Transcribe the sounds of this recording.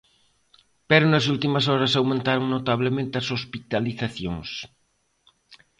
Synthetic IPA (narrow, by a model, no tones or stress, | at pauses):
pɛɾonɐsult̪imɐsɔɾɐsawmẽnt̪aɾoŋnot̪aβ̞lemẽnt̪eɐsospit̪aliθaθjoŋs